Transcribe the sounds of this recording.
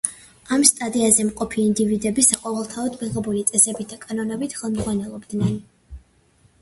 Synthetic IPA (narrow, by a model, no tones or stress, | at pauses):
amst̪ʼad̪iazɛmqʼɔpʰiːnd̪ivid̪ɛbisaqʼɔvɛlˠt̪ʰaɔd̪miʁɛbulit̪sʼɛsɛbit̪̚d̪akʼanɔnɛbit̪ʰχɛlˠmzʁwanɛlˠɔbd̪nɛn